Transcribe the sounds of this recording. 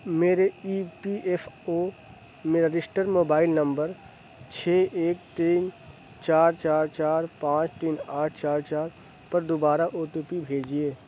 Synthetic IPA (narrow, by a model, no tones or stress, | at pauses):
meːɾeiːpiʔefʰoː | meːɾaɾɪsʈəɾmoːbaːɪlnə̃mbəɾ | t͡ʃʰeːʔeːk̚t̪iːn | t͡ʃaːɾt͡ʃaːɾt͡ʃaːɾpãːt͡ʃt̪iːnaːʈʰt͡ʃaːɾt͡ʃaːɾ | pɐɾd̪obaːɾaʔoːʈ̪upibʱeːd͡ʒieː